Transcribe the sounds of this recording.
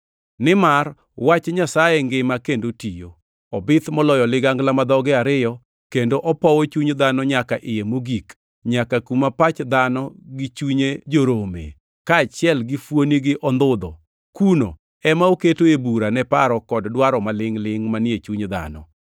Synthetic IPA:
nɪmar | wat͡ʃɲasajeŋɡɪmakendotijo | ɔbɪt̪mɔlɔjɔlɪɡaŋɡlamad̪ɔɡɛaɾɪjɔ | kendoʔɔpɔwɔt͡ʃuɲd̪anɔɲakaʔɪjemoɡik | ɲakakumapat͡ʃd̪anɔɡɪt͡ʃuɲed͡ʒoɾomḛ | kaːt͡ʃɪɛlɡɪfwoniɡɪʔɔnd̪ʊd̪ɔ | kuno̰ | ɛmaoketoebuɾanɛpaɾɔkɔddwaɾɔmalɪŋlɪŋmanɪet͡ʃuɲd̪a̰nɔ̰

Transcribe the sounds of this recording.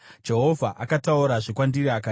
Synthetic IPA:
d͡ʒe̞ɦo̞vʱaʔakatauɾaʐikwandiɾiaka

